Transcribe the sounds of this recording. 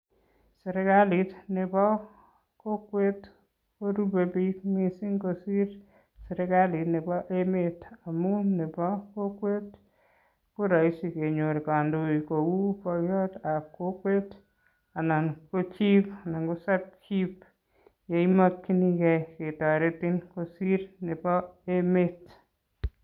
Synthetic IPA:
sɛ˨ɾɛkali˨tnɪ˨bɔ˦ | ko˦kwe˦t | ko˦ɾube˨pikmi˨si˦ŋko˨si˦ɾ | seɾɛɡali˨tnɪ˨bɔ˦ʔemeta˨mu˦nɪ˨pɔ˦kokwe˦t̚ | ku˦ɾa˨i˦si˨ke˨ɲo˨ɾka˨ndo˨iko˨wu˦pɔ˧jɔ˦ta˨ko˦kwe˦t | a˨na˨nko˦t͡ʃi˦pa˨na˨ŋɡu˦sa˦p̚t͡ʃip | je˨imɔ˦tki˦nikɛ˦ke˨tɔ˨ɾe˦ti˦nkosi˦ɾne˨bɔ˦e˦me˦t

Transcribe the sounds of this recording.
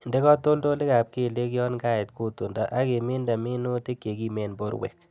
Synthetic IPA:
nde˦kɔ˦to˦ldo˦le˦ka˨p̚ke˦˨le˦kjɔ˦nɡa˦ɪ˨t̚ku˦˨tu˨nda˨ʔa˦ke˨mɪ˦nda˨mɪ˦no˦te˦kːe˨ɡi˦mɛ˨nbo̰˦ɾwḛ˨k̚

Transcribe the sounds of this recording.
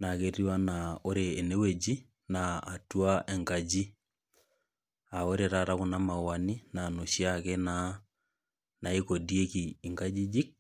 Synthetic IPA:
na˨ɣeɾiwa˦nao˦ɾeː˨ne˦we˦d͡ʒi˦ | naː˨twaʔɛ˨ŋɡa˨d͡ʒi˦ | a˨o˦ɾeɾaɾa˦ɣuna˦ma˨wani˦na˨no˨ʃjakɛ˦na | na˨i˦ko˨diekiːŋɡad͡ʒi˦d͡ʒi˦k̚

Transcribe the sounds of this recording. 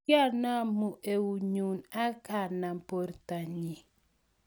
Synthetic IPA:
a˦˨na˦mu˨ʔe˨wu˨ɲu˨na˦ka˨na˨m˨po˨ɾta˨ɲi˨

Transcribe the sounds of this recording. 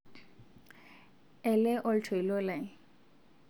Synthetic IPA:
ɛ˨lɛ˦ʔo˦ltʰɔ˨i˨lɔ˦la˨

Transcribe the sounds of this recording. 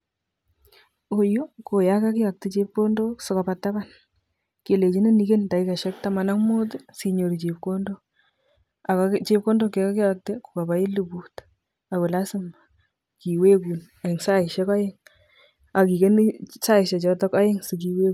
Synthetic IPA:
o˨jo˦ko˨ja˦ka˦kɪ˦ja˨k̚te˦t͡ʃe˦p̚ko˦ndo˦so˨ka˨pa˨ta˦ba˦n | ke˨le˨t͡ʃi˦nɪ˦ni˦ke˦nda˨ika˨ʃɛ˦k̚ta˦ma˨na˦ŋmu˦t̬ɪ˦si˨ɲo˨ɾi˨t͡ʃe˨pko˦ndo˦ | a˨kat͡ʃe˦p̚ko˦ndo˦kːe˨˦ka˦kɪ˦jak̚te˦ku̥˨ka˨ba˦ɪ˦lu˨bu˦t | a˨kʊ˨la˦sɪ˦m | ki˨we˦ku˨n | a˨ɪ˨ŋsa˦ɪ˨ʃɛ˦ka˦jɪ˦ŋ | a˨ki˨ke˦ni˦sa˦ɪ˨ʃɛ˨t͡ʃɔ˦tɔ˦ka˦ɪ˦ŋsɪ˨ki˦we˦ku˨

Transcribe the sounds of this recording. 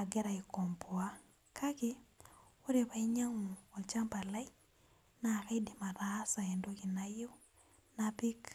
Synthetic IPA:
a˨ɡɛ˦ɾa˨i˨kɔ˨mpwa˦ | kʰa˦kɪ˦o˦ɾe˨pa˨i˦ɲa˦ŋu˨ɔ˨t͡ʃa˦mpa˨la˦i | na˨ka˦idi˨ma˨ɾa˦sa˨ɛ˨ndoki˨najo˦ | napi˦k

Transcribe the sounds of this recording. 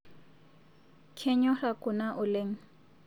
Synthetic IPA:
kʰɛ˦ɲɔ˦ra˨kʼʊ˨na˦ʔʊ˨le˦ŋ̩˦

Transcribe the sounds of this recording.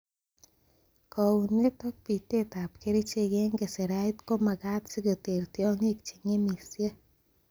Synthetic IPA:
kɔ˨u˨ne˦tɔ˦k̚pi˨t̪e˦t̪a˨pke˦ɾi˦t͡ʃe˦ɡe˦ŋɡe˨se˨ɾa˦jt̪ko˦ma˨ɡa˦t̪si˦ɡo˨te˨ɾte˦ɔ˦ŋe˦k̚t͡ʃi˨ŋe˦mi˨sje˦

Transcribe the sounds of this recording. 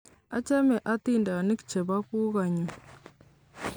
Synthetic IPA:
a˦t͡ʃa˦mɛ˨ʔa˦t̪i˦˨nda˨ni˦kt͡ʃɛ˨βa˦ku˦ɣa˨ɲu˨

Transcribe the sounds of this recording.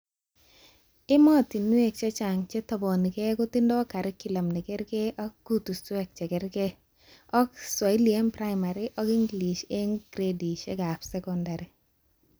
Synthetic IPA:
ɪ˦mɔ˦t̪i˨nwe˦k̚t͡ʃɛ˦t͡ʃa˨ŋt͡ʃɛ˦t̪ɔ˨bɔ˨ni˨kɛ˦ɡʊ˦t̪i˦ndɔ˦ka˨ɾɛ˦ki˨la˨mnɪ˨kɛ˦ɾkɛ˦ʔɔ˦k̚ɡ̥u˦t̪u˨stwɛ˦k̚t͡ʃɛ˨ɡɛ˦ɾke˦ | ɔ˦kswa˨i˦liɛ˦mpɾa˦ɪma˨ɾi˦ʔɔ˦ki˦ŋɡli˨ʃe˦ŋɡɾedi˨ʃɛ̰˦ɡa˨psɛkɔnda˨ɾi˨

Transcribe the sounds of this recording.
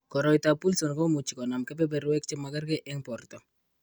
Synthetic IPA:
kɔ˨ɾɔ˨jtapu˦lso˨nkɔ˦mu˨t͡ʃːi˨kɔ˨na˨mkɛ˦pɛ˦bɛ˨ɾwɛ˦kt͡ʃɛ˦ma˨ɡa˦ɾkɛ˦ʔɛ˦ŋpɔ˨rtɔ˨

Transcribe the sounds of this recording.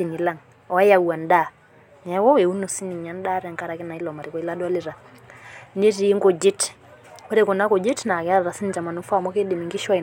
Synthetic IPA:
i˨ni˨la˦˨ŋ | ɔ˨a˦ja˨wa˨nda˦ | nɛ˨˦wɔ˦e˨u˦no˨si˦ni˨ɲa˦n˦da˦ɾɛ˨ŋka˦ɾa˨kɪ˦na˨i˦lɔ˨ma˨ɾi˨kɔ˨i˦la˦dwa˦li˦˨ɾa˨ | ne˦ɾi˨˦ŋɡo˨d͡ʒi˦t | kɛ˦ɾe˦˨ko˨na˦ko˨d͡ʒi˦tna˨ka˦ɾa˨ɾa˨si˦ni˨t͡ʃa˨ma˨nu˦fa˦˨mɔ˦ke˦de˨mi˨ŋɡi˦ʃa˦˨

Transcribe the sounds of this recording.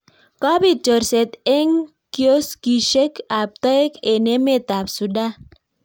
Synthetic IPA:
kɔ˦bi˦d͡ʒɔ˨ɾse˨t̪e˦ŋ | kjo˦ski˨ʃe˦ka˨p̚t̪ɔ˦e˦ke˨ne˦me˦t̪a˨psu˨da˦

